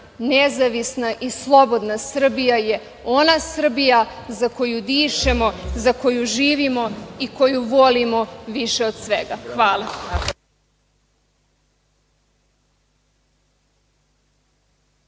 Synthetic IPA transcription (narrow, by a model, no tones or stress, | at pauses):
nezaʋisnaʔislˠo̞bo̞d̪nasr̩bijaje | o̞nasr̩bijazako̞jud̪iːʃemo̞zako̞juʒiːʋimo̞iko̞juʋo̞limo̞ʋiʃe̞od̪sʋeɡaxʋaːlˠa